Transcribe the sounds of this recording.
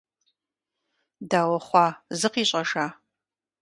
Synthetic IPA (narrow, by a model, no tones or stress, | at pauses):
daːwɔχʷɑːzɨqiːɕʼɐʂaː